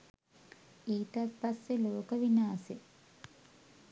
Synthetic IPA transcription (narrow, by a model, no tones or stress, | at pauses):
iːt̪aspasːeloːkəʋinaːse